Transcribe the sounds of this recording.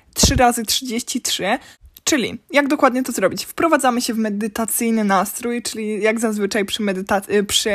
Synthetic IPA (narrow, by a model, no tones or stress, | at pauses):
tʂɘɾazɘtʂɘd͡ʑeɕt͡ɕitʂɘt͡ʂɘlʲḭjaɡd̪ɔkwad̪ɲɛt̪ɔzɾɔbʲit͡ɕfpɾɔvad̪zamɘɕɛvmɛd̪ɘt̪at̪sɘjnɘnast̪ɾujt͡ʂɘlʲijaɡzazvɘt͡ʂajpʂɘmɛd̪ɘt̪apʂɘ